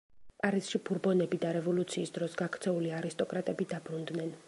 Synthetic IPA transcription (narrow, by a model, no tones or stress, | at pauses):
pʼaɾisʃibʰuɾbɔnɛbid̪aɾɛvɔlut̪sʰiːsd̪ɾɔsɡakʰt̪sʰɛuliaɾist̪ʼɔkʼɾat̪ʼɛbid̪abɾund̪nɛn